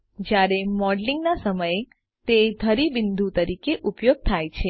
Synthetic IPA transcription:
d͡ʒjaɾemɔɖliŋɡnasəməje | t̪ed̪ʱəɾibɪnd̪ʱũt̪əɾikeʔupjoɡ̚t̪ʰajt͡ʃʰe

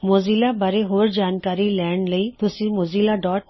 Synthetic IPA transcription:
moːziːlaːbaːɾeɦoːɾd͡ʒaːnkaːɾilɛːɳləiːt̪ʊsĩmoːziːlaːɖɔːʈ

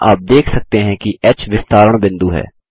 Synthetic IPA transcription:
aːp̚d̪eːkʰsək̚t̪eɦɛ̃kiʔɛt͡ʃʋɪst̪aːɾəɳ̃bɪ̃nd̪uːɦɛ̰ː

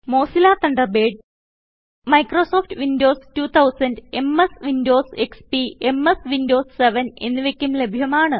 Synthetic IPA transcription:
mo̞ːsilaːt̪ɐɳɖɐrbeːɖ̚ | mɐjkroːso̞ːftʋindo̞ːstuːt̪ʰɐwsɐnde̞mesʋindo̞ːsekspie̞mesʋindo̞ːsseʋɐne̞̰nːɨʋekʲːumle̞bʱjɐmaːɳɨ

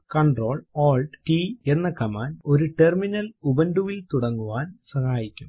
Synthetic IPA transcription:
kɐɳɖro̞ːɭoːlɖʈiːe̞nːɐkɐmaːno̞ɾuʈerminɐlubɐnɖuʋilt̪uɽɐŋːuʋaːnsɐhaːjikʲːum

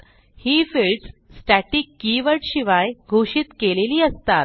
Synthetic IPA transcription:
hiːfelʈssʈæʈiːkːiʋəɾʈɕiʋajɡʱoɕit̪keleliːəst̪at̪

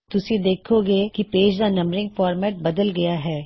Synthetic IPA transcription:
t̪ʊsed̪eːkʰoɡekipeːd͡ʒd̪anɐ̃mɾɪ̃ŋɡfɔːɾmɛːʈ̚bɐd̪əlɡɐjaɦɛː

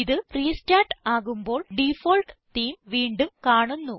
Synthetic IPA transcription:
iðɨpriːstaːʈaːɣumbo̞ːɭɖifoːlʈt̪iːmʋiːɳɖumkaːɳunːu

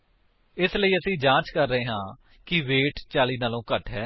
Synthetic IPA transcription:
ɪsləiːəsĩːd͡ʒãːt͡ʃkəɾːəɦeːɦãː | kɪʋeːʈt͡ʃaːliːnaːlõːkəʈɦɛː

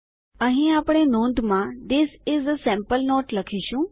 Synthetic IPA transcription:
ə̃ɦĩaːpɽ̃enõːnd̪ʱmãd̪ɪsɪzəsɛ̃mpəlnɔːʈlɐkʰiʃũ

